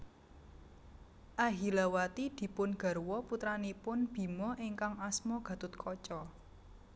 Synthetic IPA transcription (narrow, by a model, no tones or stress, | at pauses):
ʔaɦilawat̪id̪̥i̤pʊnɡ̥a̤ɾwɔput̪ɾanipʊnb̥i̤mɔʔiŋkaŋasmɔɡ̥ä̤t̪ʊt̪̚kʰɔt͡ʃɔ